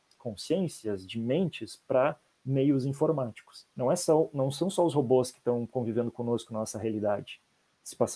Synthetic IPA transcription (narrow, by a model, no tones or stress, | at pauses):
kõsiẽsiɐzd͡ʒɪmẽnt͡ʃɪspɾɐ | mejʊzĩfoɾmat͡ʃi̥kʊ̥snɐ̃w̃ɛsɔnɐ̃w̃sɐ̃w̃sɔʊsɦoboskɪ̥t̪ɐ̃w̃kõvivẽnd̪ʊkõnoskʊnɐnɔsɐɦealid̪ad͡ʒɪ | sɪ̥pas